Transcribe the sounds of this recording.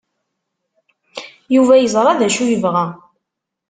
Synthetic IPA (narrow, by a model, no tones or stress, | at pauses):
juvæjəzˤɾˤɑðæʃujəvʁæ